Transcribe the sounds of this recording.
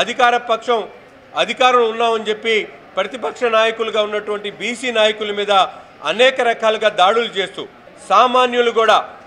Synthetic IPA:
ɐd̪ʱikaːɾɐpɐkʂɐm | ɐd̪ʱikaːɾɐmunːaːmɐnit͡ʃe̞pːi | pɾɐt̪ipɐkʂɐnaːjɐkuluɡaːunːɐʈuʋɐɳʈibiːsiːnaːjɐkulɐmiːd̪ɐ | ɐnɛːkɐɾɐkaːluɡaːd̪aːɽulut͡ʃe̞ːst̪ṵː | saːmaːnjuluɡuːɽaː

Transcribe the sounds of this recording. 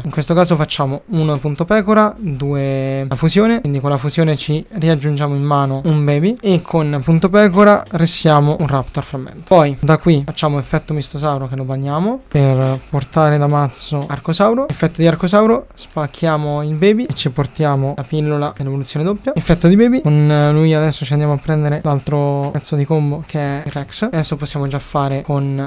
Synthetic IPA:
iŋkwest̪okaːzofat͡ʃːaːmounpunt̪opɛːkoɾad̪uːefuzjoːneind̪ikonlːafuzjoːnet͡ʃiriad͡ʒːund͡ʒaːmoimːaːnoumbɛːbiekʰːonpunt̪opɛːkoɾareskːjaːmounrapt̪oalfɾamːḛnt̪o̥ɔjd̪akːwifat͡ʃːaːmoefːɛt̪ːomist̪os̬awɾokelobanjaːmoperport̪aːɾed̪amat̪sːoarkosawɾoefːɛt̪ːod̪iarkosawɾospakʰːjaːmoilbeːbiet͡ʃːiport̪jaːmolapilːolad̪elːevolut̪sːjoːned̪opːjaefːɛt̪ːod̪ibeːbikonlujad̪ɛsːot͡ʃiand̪jamoapːɾɛnd̪eɾelalt̪ɾoɛt̪sːod̪ikombokʰeɛrɛksad̪ɛsːoposːjaːmod͡ʒafːaːɾekon

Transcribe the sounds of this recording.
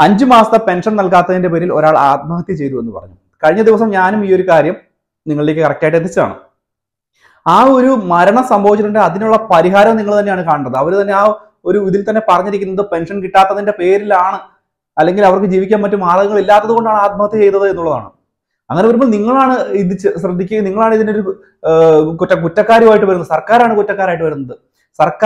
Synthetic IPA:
ɐɲd͡ʑɨmaːsɐt̪ːɐpe̞nʂɐnnɐlkaːt̪ːɐðinde̞p̬e̞ːɾilo̞ɾaːɭa̰ːt̪̚mɐɦɐt̪ːit͡ɕejt̪ue̞nːɨpɐ̰rɐ̰ɲːu | kɐɻiɲːɐd̪iʋɐsɐmɲaːnumiːo̞ɾukaːɾjɐm | niŋːɐɭilekːɨkɐrɐkʲːaːjiʈːenːit͡ɕːɐða̰ːɳɨ̰ | aːo̞ɾumɐɾɐɳɐsɐmbʱɐʋit͡ɕːɐnuɳɖeɐðinuɭːɐpɐɾiɦaːɾɐmniŋːɐɭt̪ɐnːejaːɳɨkaːɳiʈːɐðɨɐʋɐɾt̪ɐnːe̞aː | o̞ɾuʋiðilt̪ɐnːe̞pɐrɐɲːiɾikʲːunːɐðɨpe̞nʂɐnkiʈːaːt̪ːɐðinde̞pe̞ːɾilaːɳɨ | ɐlːe̞ŋɡilɐʋɐrkɨd͡ʑiːʋikʲːaːnmɐtːumaːrɡɐŋːɐɭilːaːt̪ːɐðɨɣo̞ɳɖaːɳaːt̪̚mɐɐt̪ːɨt͡ɕe̞jt̪ːɐðɨe̞nːuɭːɐða̰ːɳɨ̰ | ɐ̰ŋːɐne̞ʋɐɾumboːlniŋːɐɭaːɳɨind̪it͡ɕːɨɕrɐd̪ʱːikʲːuniŋːɐɭaːɳiðino̞ɾu | kutːɐk̬utːɐkːaːɾjumaːjiʈːɨʋɐɾunːɐðɨsɐrkaːɾaːɳɨkutːɐkːaːɾaːjiʈːɨʋɐɾunːɐðɨ | sɐrkː

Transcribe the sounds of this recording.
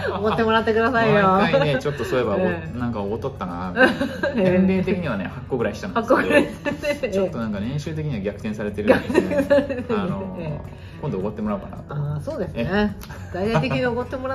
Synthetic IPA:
okott̪ːemo̞ɾat̪ːe̞kɯ̟d̪asaijoaet͡ɕo̞t̪ːosoːe̞banãŋkaoot̪ːot̪ːana̰ | ẽnɾe̞ːt̪e̞kʲiɲ̟iβanehakːoɡɯ̟ɾaiɕi̥t̪ãnakːoɡeɾa | t͡ɕːt̪ːo̞nãŋkanẽ̞ɰ̃ɕɨːt̪ek̬ʲiɲ̟iβaɡʲakɯ̟̥ẽ̞ɰ̃saɾe̞t̪eɾɯɡʲakt̪ẽsaeno | kõnd̪oːkot̪ːemo̞ɾaɯ̟kana̰t̪asoːd̪e̞sɨne | d̪ait̪ait̪e̞kiɲ̟ʲioɡot̪ːemoɾa

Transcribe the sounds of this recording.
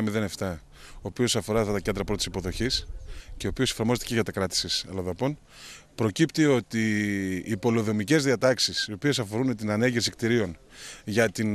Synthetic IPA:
ɐmiðe̞ne̞ft̪ɐ | o̞ːpio̞sɐfo̞ɾɐt̪ɐt̪ɐce̞nd̪ɾɐpɾot̪i̥si̥po̞ðo̞çisce̞o̞pio̞sefɐɾmo̞zet̪eceʝɐt̪ɐkɾɐt̪i̥sisɐlɐðopo̞n | pɾo̞cipt̪io̞t̪iː | po̞lo̞ðo̞mice̞zðiɐt̪ɐksisio̞pie̞sɐfo̞ɾunt̪inɐneɲɟefsikt̪iɾio̞n | ʝɐt̪in

